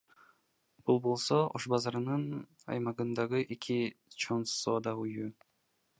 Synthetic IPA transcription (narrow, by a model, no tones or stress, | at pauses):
b̥ulˠbo̞lˠsooʃbɑzɑɾɯnɯn | ɑ̰jmɑʁɯnd̪ɑʁɯʔekʲʰit͡ʃʰo̞nsoːd̪ɑujuː